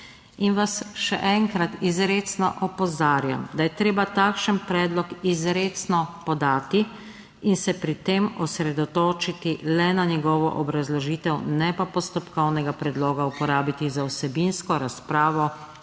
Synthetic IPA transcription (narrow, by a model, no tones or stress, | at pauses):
inʋasʃɛ̰ʔɛŋkɾat̪izɾeːt̪snɔ̰ʔɔpɔzaːɾja̰md̪ajɛt̪ɾeːbat̪aːkʃənpɾɛːd̪lɔkizɾeːt̪snɔpɔd̪aːt̪i | insɛpɾit̪eːmɔsɾɛd̪ɔt̪oːt͡ʃit̪ilɛnanɛɡɔːʋɔ̰ʔɔbɾazlɔʒiːt̪ɛwnɛpapɔst̪ɔpkɔwnɛɡapɾɛd̪loːɡaupɔɾaːbit̪izawsɛbinskɔɾaspɾaːʋɔ